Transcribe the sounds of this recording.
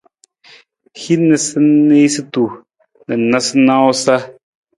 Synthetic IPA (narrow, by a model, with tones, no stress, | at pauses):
hi˦nːɨ˨sɨ˦ne˦sɨ˦tu˨ | nɨ˨na˦sɨ˦nã˦wʊ˦sa˦